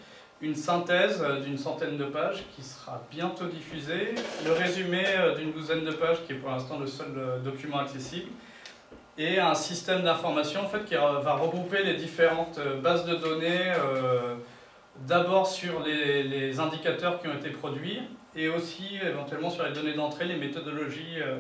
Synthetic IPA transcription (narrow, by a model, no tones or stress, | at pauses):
ynsɛ̃t̪ɛzd̪ynsɑ̃t̪ɛnd̪əpaʒkʲʰisə̥ʁa̰bjɛ̃t̪od̪ifyzeləʁezymeød̪ynd̪uzɛnd̪əpaʒkʲiɛpuʁlɛ̃st̪ɑ̃ləsœlød̪ɔkʲymɑ̃aksesibl | eɛ̃sist̪ɛmd̪ɛ̃fɔʁmasjɔ̃ɑ̃fɛt̪kʲivaʁəɡʁupeled̪ifeʁɑ̃t̪øbazd̪əd̪ɔneø | d̪abɔʁsyʁlelezɛ̃d̪ikat̪œʁkʲiɔ̃et̪epχɔd̪ɥi | eosievɑ̃t̪ɥɛlmɑ̃syʁled̪ɔned̪ɑ̃t̪χelemet̪ɔd̪ɔlɔʒiø